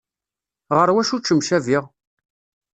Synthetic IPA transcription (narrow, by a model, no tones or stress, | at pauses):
ʁəɾwæʃut͡ʃːəmʃæviʁ